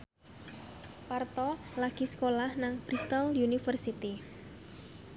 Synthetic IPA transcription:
part̪ɔlaɡ̥isə̥kolahnaŋb̥ɾist̪aljunifərsit̪i

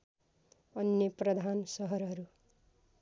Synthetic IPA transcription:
ʌnjʌprʌd̪ʱansʌɦʌɾɦʌɾu

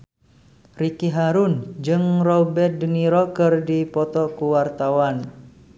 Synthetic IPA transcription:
rikiɦaɾund͡ʒɨŋrɔbɛt̪̚dəniɾɔkɨrdipɔt̪ɔkuwart̪awan

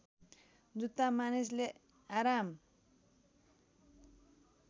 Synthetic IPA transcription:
d̪ut̪ːamanis̬le | aɾam

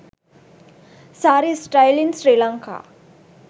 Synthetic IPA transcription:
saɾisʈajlinsɾilãŋkʰa̰

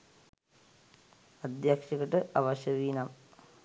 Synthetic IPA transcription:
ɐd̪jɐkʂɐɣɐʈːɨʔɐʋɐɕɐʋiːnɐm

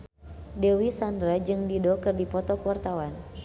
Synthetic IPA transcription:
dɛwisandɾad͡ʒɨŋdidɔkɨrdipɔt̪ɔkuwart̪awan

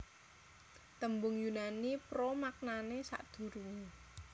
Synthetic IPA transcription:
t̪əmbʊŋjunanipɾomak̚nanesa̰ʔd̪̥ṳɾuŋe

